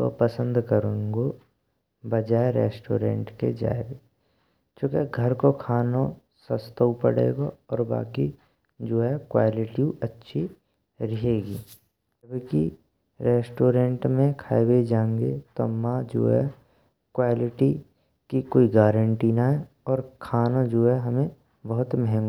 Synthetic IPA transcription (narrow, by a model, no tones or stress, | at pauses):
t̪o̰pəsə̃nd̪kəɾũŋɡo | bəd͡ʒaːeɾḛːsʈo̰ːɾḛ̃ːɳʈkḛd͡ʒa̰ːeɡe | t͡ʃoːkeɡʱəɾkokʰaːno | səst̪əupə̰ɽḛːɡoɔːɾba̰ːki | d͡ʒoːɦɛkwaːlɪʈiuətːʃʰi | ɾɪɦeːɡiː | t̪bki | ɾeːsʈoːɾẽɳʈmẽkʰaːewed͡ʒãːŋɡet̪ɔ̰mːad͡ʒo̰ːɦɛ | kwaːlɪʈi | kikoːiɡaːɾə̃ɳʈinaɦɛ | ɔːɾkʰaːnod͡ʒoːɦɛɦəmẽ | bəɦʊt̪mɛɦɛ̃ŋɡ